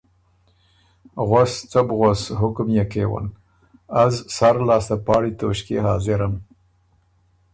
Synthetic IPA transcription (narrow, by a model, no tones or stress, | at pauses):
ɣast͡sabɣosɦʊkmjakewa̰n | azsaɾlɑːst̪apɑːɽit̪oʃkḛɦɑːzɪɾam